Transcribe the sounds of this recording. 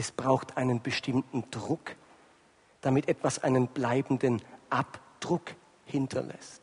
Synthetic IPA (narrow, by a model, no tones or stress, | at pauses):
ɛsb̥ʁaʊxtʔaɪnənbəʃtɪmtn̩d̥ʁʊk | d̥amɪtʔɛtv̥asʔa̰ɪnənblaɪbn̩dənʔapd̥ʁʊk | hɪntʰɐ̰lʔɛ̰st